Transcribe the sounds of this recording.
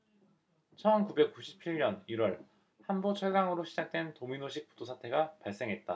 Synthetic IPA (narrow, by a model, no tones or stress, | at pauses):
t͡ɕʰʌnkube̞k͈uɕʰi̥p̚t͡ɕʰiɭɲʌniɾwʌɭ | hanbot͡ɕʰʌɭɡaŋɯɾoɕʰid͡ʑak̚t͈we̞ntominoɕʰik̚p͈udosʰatʰe̞ɡapaɭs͈e̞ŋɦe̞t̚t͈a